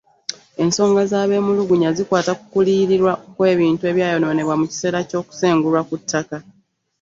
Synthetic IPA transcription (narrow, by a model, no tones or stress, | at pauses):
e̞nso̞ːŋɡazaːβe̞ːmuluɡuɲazikwaːtakukuliːɾiɾwaʔokwe̞ːβiːntue̞ːβjaːjo̞no̞ːne̞βwamuci̥se̞ːɾaco̞ːku̥se̞ːŋɡulwakutʰːaka